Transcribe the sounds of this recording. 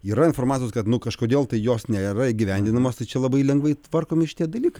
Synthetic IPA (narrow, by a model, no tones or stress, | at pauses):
iːɾɐɪnfoːrmɑːt͡sʲjoskɐt̪nʊkɐʃkoːd̪ʲeːlˠt̪ɐɪjoːsnʲɛiɾɐɪːɡʲɪʋʲɛnʲd̪ʲɪnɐmoːst̪ɐɪt͡ʃʲɛlˠɐbɐɪlʲɛŋɡʋɐɪt̪ʋɐrkoːmʲɪʃʲɪt̪ʲiɛd̪ɐlʲiːkɐɪ